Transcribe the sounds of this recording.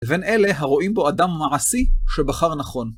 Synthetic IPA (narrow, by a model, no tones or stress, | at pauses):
eve̞nʔe̞le̞ɦaʁo̞ʔimbo̞adamːaʕasiʃe̞baχaʁnaχo̞n